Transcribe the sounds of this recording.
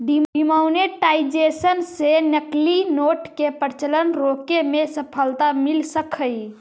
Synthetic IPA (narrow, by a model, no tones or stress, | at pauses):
ɖiimawneʈajd͡ʒesənsenəklinoʈkepəɾt͡ʃələnɾokemesəpʰəlt̪amilsəkʰəj